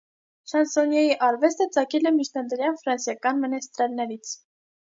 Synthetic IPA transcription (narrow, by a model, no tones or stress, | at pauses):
ʃɑnsɔnjɑjiʔɑɾvɛst̪ət͡sɑkɛlɛmit͡ʃʰnɑd̪əɾjɑnfɾɑnsjɑkɑnmənɛst̪ɾɑlnɛɾit͡sʰ